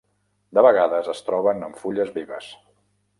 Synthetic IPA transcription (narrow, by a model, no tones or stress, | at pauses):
d̪əβəɣaðəzəst̪ɾɔβənəɱfuʎəzβiβəs